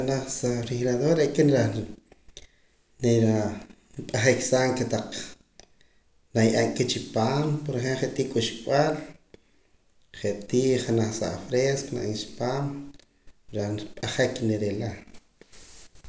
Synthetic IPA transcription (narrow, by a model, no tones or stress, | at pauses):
anaχsaɾixɾaðoɾɾeʔkʼenɾaχ | neɾa | pʼaχeksaːŋket̪aq͡χ | najʔaŋket͡ʃipaːmpoɾχelχeʔt̪iːkʼuʃɓal | χeʔt̪iːχanaχsa̰ʔfɾeskona̰ʔit͡ʃi̥paːm | ɾaχnpʼaχekneɾela